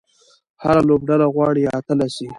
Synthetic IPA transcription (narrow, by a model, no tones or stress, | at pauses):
haɾalobɖalaɣwɑɽiat̪əlasi